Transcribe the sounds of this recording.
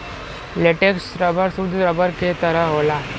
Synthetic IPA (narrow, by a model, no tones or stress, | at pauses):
leʈeksɾɐbəɾsud̪ɾəbəɾket̪ɐɾaɦola